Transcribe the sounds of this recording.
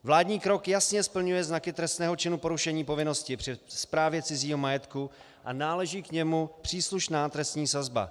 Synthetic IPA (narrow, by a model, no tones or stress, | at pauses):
vlaːdɲiːkɾo̞kjasɲɛspl̩ɲujɛznakɪt̪ɾɛst̪nɛːɦo̞t͡ʃɪnupo̞ɾuʃɛɲiːpo̞vɪno̞scɪpr̥ɪspɾaːvjɛt͡sɪziːɦo̞majɛt̪ku | ʔanaːlɛʒiːkɲɛmupr̝̥iːsluʃnaːt̪ɾɛst̪ɲiːsazba̰